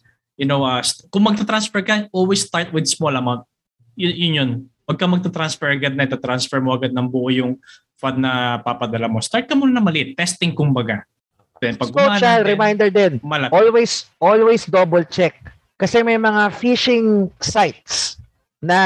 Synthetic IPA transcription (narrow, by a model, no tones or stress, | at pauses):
jʊnowʔɐskʊŋmɐɡ̚t̪at̪ɾansfɛɹkɐʔolwejst̪aɹt̪̚wɪd̪smolɐmawnt̪̚ | jʊjʊnjon | wɐɡ̚kɐmɐɡ̚t̪at̪ɾansfɛɹɐɡad̪̚nɐɪt̪at̪ɾansfɛɹmoʔɐɡad̪̚nɐŋbʊʔojʊŋ | fad̪ːɐpapɐd̪ɐlamo̞st̪aɹt̪̚kɐmʊnɐnɐmɐlɪʔɪt̪̚ːɛst̪ɪŋkʊŋbɐɡa | ɛnpɐɡɡʊoat͡ʃalɾɛmajnd̪ɛɹd̪ɪnmɐlɐʔolwejsʔolwejsd̪obolt͡ʃɛk̚ː | ɐsɛmɐjmɐŋafiʃɪŋsajt̪̚s | nɐ